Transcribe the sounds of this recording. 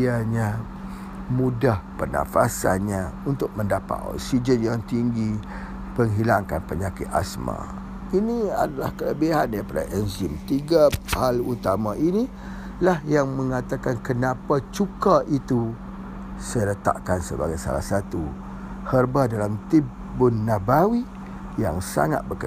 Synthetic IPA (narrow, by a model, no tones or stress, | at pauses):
iaɲã | mũdahpərna̰fa̰sa̰nɲaunt̪ʊk̚məndapa̰t̪ɔ̰ksid͡ʒənjaŋt̪iŋɡi | pəŋɦilaŋka̰npəɲakɪt̪̚a̰smã̰ | inia̰dala̰hkələbiɦandaɾipada̰ʔɛnd͡ʒimt̪iɡəhalut̪amãʔini | lahjaŋmə̃ŋat̪akankənãpat͡ʃukaʔit̪u | səɾət̪a̰ʔkansəbaɡajsa̰la̰hsat̪u | hərbadalamt̪i | bʊnːabawi | ja̰ŋsa̰ŋa̰t̪̚bəkə